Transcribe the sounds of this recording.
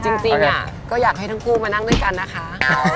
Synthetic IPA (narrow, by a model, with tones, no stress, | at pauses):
t͡ɕi˧ŋt͡ɕi˧ŋa̰˨˩ | kɔː˥˩jaː˨˩k̚ha˥˩jt̪ʰːŋkʰuː˥˩maː˧na˥˩ŋd̪jka˧nːa˦˥kʰa˦˥